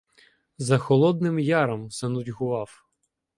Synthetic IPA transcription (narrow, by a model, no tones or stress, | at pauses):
zɐxɔlˠɔd̪̚nɪmjɑɾɐmsɐnʊdʲɦʊʋɑw